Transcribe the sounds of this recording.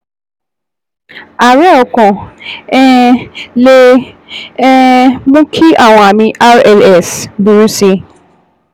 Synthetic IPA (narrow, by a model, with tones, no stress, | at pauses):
a˨ɾɛ˦ɔ˨kɔ̃˨ɛ˦le˦ | mũ˦kʰi˦a˦˨w̃ɔ̃˧a˨mĩ˧ʔa˦ɾɛ˧˨lɛ˦˨sbu˨ɾu˦si˧